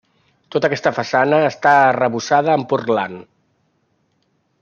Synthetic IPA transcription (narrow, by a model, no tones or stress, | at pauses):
t̪ot̪əkɛst̪əfəsanəːst̪aːrəβusaðəːmpurla̰n